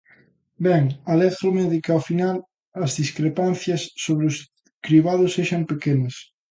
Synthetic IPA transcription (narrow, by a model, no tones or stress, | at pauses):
bɛŋalɛθɾomeðikaofinal | ɐzðiskɾepanθjɐsːoβɾɪʊs | kɾiβaðʊsːeʃɐmpekenɐs